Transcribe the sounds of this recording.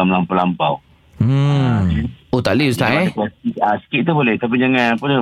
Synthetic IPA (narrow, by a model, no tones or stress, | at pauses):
amlampawlampaw | m̩ | ot̪aʔliust̪aʔekasiasə̥kitt̪ubolɛht̪ap̬id͡ʒaŋãnpənə